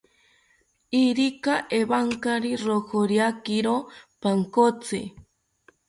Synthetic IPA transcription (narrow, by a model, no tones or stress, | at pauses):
iɾikaʔeβaŋkaɾiɾohoɾjakiɾopaŋkot͡sḛ